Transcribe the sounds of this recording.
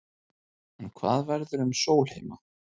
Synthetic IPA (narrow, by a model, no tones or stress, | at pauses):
ɛnkʰva̰ːðvɛɾðʏɾʏmsoːwl̥hejma